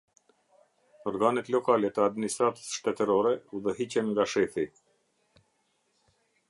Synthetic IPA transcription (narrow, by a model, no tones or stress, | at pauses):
ɔɾɡanɛt̪lɔkalɛt̪əad̪minist̪ɾat̪ə̥sʃt̪ɛt̪əɾɔɾɛuðəɦit͡ɕɛnŋɡaʃɛθi